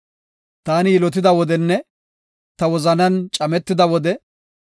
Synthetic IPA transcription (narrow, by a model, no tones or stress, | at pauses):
t̪aːnɪjɪlɔt̪̬ɪd̪ɐwɔd̪ɛnːɛ | t̪ɐwɔzɐnɐnt͡ʃʼɐmɛt̪ːɪd̪ɐwɔd̪ɛ